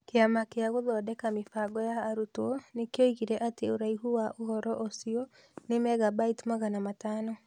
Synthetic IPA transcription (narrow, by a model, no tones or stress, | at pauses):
keamakeaɣoðɔːdɛkamefaɡɔjaːɾutwɔnekjoiɣiɾɛʔateoɾaiɦuwaʔoɦɔɾɔʔosiɔ | nemɛɣabaitmaɣanamataːnɔ